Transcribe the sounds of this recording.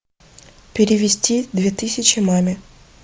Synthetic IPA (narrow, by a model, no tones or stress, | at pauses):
pʲɪɾʲɪʋʲɪsʲtʲid̪vʲet̪ɨsʲɪt͡ɕɪmamʲɪ